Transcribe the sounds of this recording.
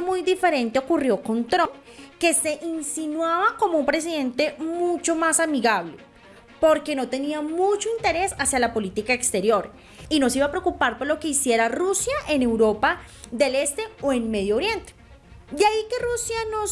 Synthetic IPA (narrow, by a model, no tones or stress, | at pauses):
mujd̪ife̞ɾe̞nt̪eokurjo̞ko̞nt̪ɾo | ke̞se̞ʔinsinwaβako̞moumpɾe̞s̬iðe̞nt̪e̞mut͡ʃo̞masamiɣaβle | po̞ɾke̞no̞t̪e̞niamut͡ʃo̞int̪e̞ɾe̞sasjalapo̞lit̪ikaekst̪e̞ɾjo̞ɾ | ino̞siβapɾe̞okupaɾpoɾlo̞ke̞isje̞ɾarusjaʔe̞ne̞wɾo̞paðe̞le̞st̪e̞oenme̞ðjooɾje̞nt̪e̥ | d̪eaike̞rusjano